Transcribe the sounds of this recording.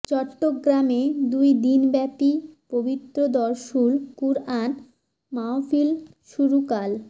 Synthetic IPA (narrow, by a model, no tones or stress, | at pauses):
t͡ɕɔʈːoɡɾamed̪ujd̪inbɛpipobit̪ːɾod̪ɔɾʃulkuɾan | maofil | ʃuɾukal